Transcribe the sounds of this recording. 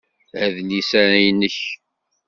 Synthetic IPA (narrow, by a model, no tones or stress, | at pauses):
æðlisæɾæjnːəç